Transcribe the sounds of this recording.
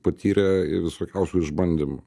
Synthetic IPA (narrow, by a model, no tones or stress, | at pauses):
pɐt̪ʰʲiːɾʲeɪʋʲɪsoːkʲɛʊsʲuːɪʒbɐnʲd̪ʲimʊ